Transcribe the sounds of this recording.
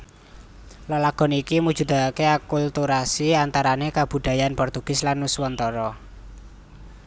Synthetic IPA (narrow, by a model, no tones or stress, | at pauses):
lɔlaɡ̥ɔ̤nikimud̥ʒ̥ṳd̪akeakult̪uɾasiant̪aɾanekab̥ṳd̪̥a̤janpɔrt̪uɡ̥ɪ̤slanːuswɔnt̪ɔɾɔ